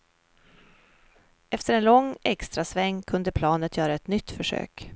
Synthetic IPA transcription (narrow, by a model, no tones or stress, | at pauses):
ʔɛft̪əɾɛnlɔŋːɛkst̪ɾasvɛŋːkʰɵnd̪əpʰlɑːnət̪ʰjœːɾaɛt̪nʏt̪ːfœʂø̰ːk